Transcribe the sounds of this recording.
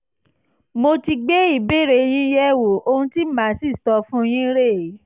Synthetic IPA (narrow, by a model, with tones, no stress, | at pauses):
mo˧ti˧ɡ͡be˦i˦˨be˦˨ɾe˧j̃ĩ˦jɛ˦wo˨o˧hũ˧ti˦mã˨˦si˦˨tɔ˧fũ˦˧j̃ĩ˦ɾe˦˨˦